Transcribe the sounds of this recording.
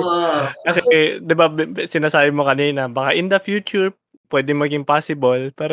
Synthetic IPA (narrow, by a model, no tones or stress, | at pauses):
kɐsɛd̪ɪbabsɪnaːsaːbɪmokɐniːnɐbɐkaʔɪnd̪ɐfjuːt͡ʃʊɹ | pwɛːd̪ɪŋmɐɡɪŋpaːsɪbɐlpaːɾ